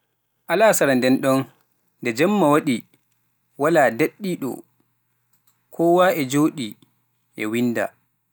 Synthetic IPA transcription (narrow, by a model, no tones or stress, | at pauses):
ʔalaːsaɾandɛnɗɔn | ndɛd͡ʒɛmːawaɗi | walaːdeɗːiɗɔ̰ | kʰɔːwaːʔɛd͡ʒoːɗi | ʔɛ̰winda̰